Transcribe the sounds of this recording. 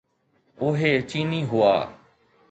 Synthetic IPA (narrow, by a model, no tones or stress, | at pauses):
ʊːɦeːt͡ʃiːniːɦʊa̰ː